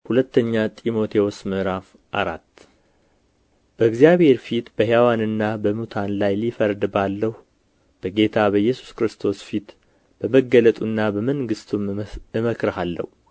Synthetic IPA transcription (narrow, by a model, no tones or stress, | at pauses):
hulət̪ːəɲːat̪ʼimo̞t̪ʰe̞wosmɨʔɾaf | ʔa̰ɾat̪ː | b̥əɨɡzjaβhe̞ɾfit̪bəɦjawanɨnːabəmut̪ʰanlajlifəɾd̪balːəhu | b̥əɡe̞t̪ʰaβəjːɛsu̥skɾɨst̪ʰo̞sfit̪ | b̥əməɡələt̪ʼunːabəməŋɡɨst̪ʰumɨməkɾəhalːə̰hu